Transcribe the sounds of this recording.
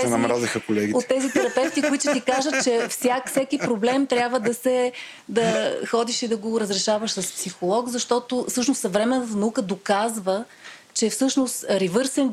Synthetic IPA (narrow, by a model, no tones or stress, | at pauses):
sɛnɐmɾazixəkolɛɡʲiot̪ːɛzit̪ɛɾɐpɛft̪ikoit͡ʃʊt̪ikaʒət̚t͡ʃɛfsʲakfsɛkipɾoblɛmt̪ɾʲjabvəd̪ɐsɛ | d̪ɐxɔd̪iʃid̪ɐɡoɾɐzɾɛʃavəʃsɐspsixolˠɔkzɐʃt̪ɔt̪ofsɤʃnossɐvɾɛmɛnːət̪̬ənɐukəd̪okazvə | t͡ʃɛfsɤʃnost̪ɾivɤɾsɛn